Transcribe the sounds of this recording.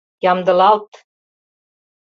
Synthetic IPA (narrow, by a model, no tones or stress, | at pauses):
jɑmd̪ɤ̆lˠɑlˠt̪